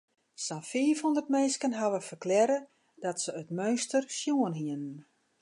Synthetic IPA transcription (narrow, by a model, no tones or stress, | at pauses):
sanfiːfondərt̚mɛːskənɦaʋəfərklɛɾə | d̥ɔtsəøtmøːstərsjuənɦiənn